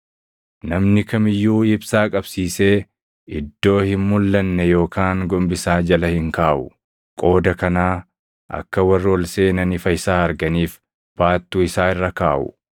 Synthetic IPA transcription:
nɐmnɪkɐmɪjːuːɪbsaːkʼɐbsiːse̞ː | ɪd̪ːo̞ːhɪmmʊlːɐnːɛjo̞ːkʰaːŋɡɔmbɪsaːd͡ʒɐlɐhɪŋkaːʔʊ | kʼo̞ːd̪ɐkɐnaː | ʔɐ̰kːɐwɐrːɪɔlseːnɐnɪfɐɪsaːɐɾɡɐniːf | b̥aːt̪ːuːɪsaːɪrːɐkaːʔʊ̰

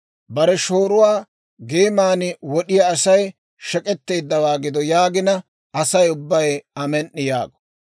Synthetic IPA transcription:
bɐɾɛʃoːɾʊwaː | ɡeːmaːnɪwɔɗɪjɐːsɐj | ʃɛkʼɛt̪ːe̞ːd̪ːɐwaːɡɪd̪ɔjaːɡɪnɐ | ʔɐsɐjʊbːɐjɐmɛnːɪja̰ːɡɔ̥

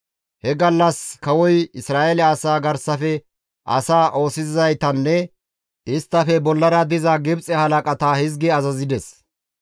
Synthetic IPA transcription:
hɛɡɐlːɐskɐwɔjɪsɾaːʔelɛasaːɡɐɾsɐfɛ | ʔɐ̰saːʔo̞ːsɪzzɐjt̪ɐnːɛ | ɪst̪ːɐfɛbɔlːɐɾɐd̪ɪzɐɡɪbt͡sʼɛhɐlɐkʼɐt̪aːhɪzɡɛɐzɐzɪd̪ɛs

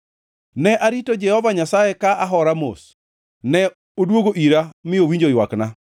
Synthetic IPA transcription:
nɛʔaɾitod͡ʒɛhɔvaɲasajekaʔaɦɔɾamo̰s | nɛ | odwoɡoʔiɾamɪowiɲd͡ʒojwakna

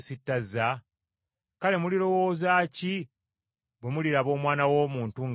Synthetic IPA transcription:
sitːaza | kale̞muliɾo̞wo̞ːzaːci | bwe̞muliɾaβo̞ːmwaːnawo̞ːmuːntuŋ

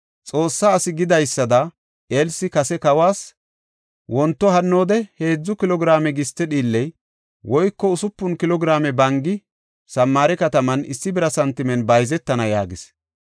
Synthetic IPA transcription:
t͡sʼo̞ːsːaːsɪɡɪd̪ɐjsːɐd̪ɐ | ʔeːlsɪkɐsɛkɐwaːs | wɔnt̪ːɔɦɐnːo̞ːd̪ɛhe̞ːd͡zːʊkɪlɔɡɪɾaːmɛɡɪst̪ːɛɗiːlːɛj | wɔjkːɔʊsʊpːʊnkɪlɔɡɪɾaːmɛbɐŋɡɪ | sɐmːaːɾɛkɐt̪ɐmɐnɪsːɪbɪɾɐsɐnt̪ːɪmɛnbɐjzɛt̪ːɐnɐja̰ːɡɪs

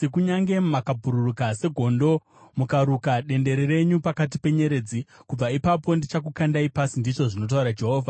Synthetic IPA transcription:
ekuɲaŋɡe̞mmakabʱuɾurukase̞ɡʱo̞ndo̞ | mukaɾukaɗe̞nde̞ɾere̞ɲupakat̬ipe̞ɲe̞ɾe̞ːd͡zikub͡vaipapo̞ndit͡ʃak̬ukandaipasindit͡ʂo̞ʐino̞t̬auɾad͡ʒe̞ɦo̞ːvʱa

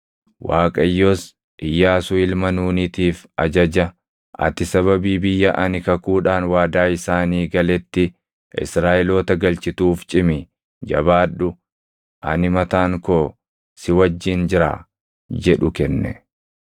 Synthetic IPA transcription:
waːkʼɐjːoːs | ʔɪjːaːsʊɪlmɐnuːnɪt̪iːfɐ̰d͡ʒɐd͡ʒɐ | ʔɐ̰t̪ɪsɐβɐbiːbɪjːɐʔɐnɪkɐkuːᶑaːnwaːd̪aːɪsaːniːɡɐlɛt̪ːɪ | ʔɪ̰sɾaːʔɛloːt̪ɐɡɐlt͡ʃɪt̪uːft͡ʃʼɪmɪ | d͡ʒɐ̰baːᶑʊ | ʔɐ̰nɪmɐt̪aːŋkoː | sɪwɐd͡ʒːɪnd͡ʒɪɾa̰ː | d͡ʒɛᶑʊkɛnːɛ̰

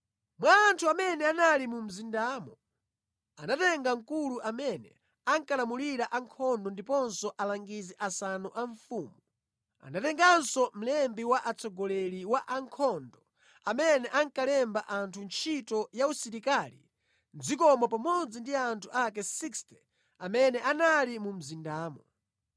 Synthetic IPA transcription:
mwaːntʰuamɛnɛanalimum̩zindamɔ | anatɛŋɡaŋ̩kuluʔamɛnɛ̰ | aŋkalamuliɾaʔaŋkʰɔndɔndipɔnsɔʔalaŋɡizɛʔasanuʔaɱfuːmuu | a̰natɛŋɡansɔm̩lɛmbiwaʔat͡sʰɔɡɔlɛliwaʔaŋkʰɔndɔ | amɛnɛʔaŋkalɛmbaʔantʰunt͡ʃʰitɔjausiɾikalḭ | nd͡zik̬ɔmɔpamɔd͡zindiantʰuʔak̬ɛsikstʰɛ | amɛnɛʔanalimum̩zindaːmɔ

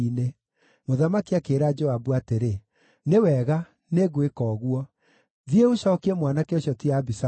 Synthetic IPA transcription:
ine | moðamakiakeɾad͡ʒoabuateɾe | newɛɣa | neɣoekɔːɣuɔ | ðieoɕɔkiemwanakoɕjɔtiabisa

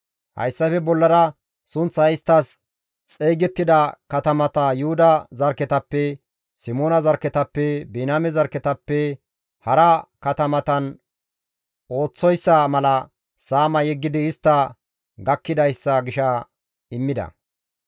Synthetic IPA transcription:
hɐ̰jsːɐfɛbɔlːɐɾɐ | sʊnt͡sːɐɪst̪ːɐs | t͡sʼejɡɛt̪ːɪd̪ɐkɐt̪ɐmɐt̪ɐjʊhʊd̪ɐzɐɾkɛt̪ɐpːɛ | sɪmoːnɐzɐɾkɛt̪ɐpːɛbinaːmɛzɐɾkɛt̪ɐpːɛ | hɐɾɐkɐt̪ɐmɐt̪ɐn | o̞ːt͡sːɔjsːɐmɐlɐ | saːmɐjɛɡːɪd̪ɪːst̪ːɐ | ɡɐkːɪd̪ɐjsːɐɡɪʃɐ | ɪmːɪd̪ɐ̰

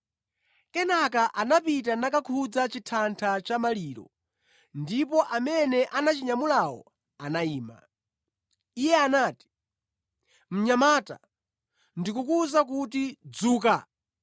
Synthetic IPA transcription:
kɛnakaʔanapitanakakʰud͡zat͡ʃitʰantʰat͡ʃamaliːɾɔ̰ | ndipɔʔamɛnɛʔanat͡ʃiɲamulawɔ̰ | anaiːma̰ | ijɛanaːti̥ | m̩ɲamaːta̰ | ndikukuzak̬utid͡zuːka

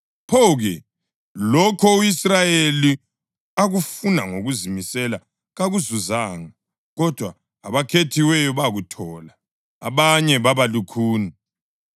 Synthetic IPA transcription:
pʰɔɣɛ | lɔkʰɔuisrajeli | aɣufunaŋoɣuzimisɛla | ɣaɣuzuzaːŋa | ɣɔd̥ʱwaː | βakʰetʰiwɛjɔβaɣutʰɔla | a̰βaɲɛβaβalukʰuːni

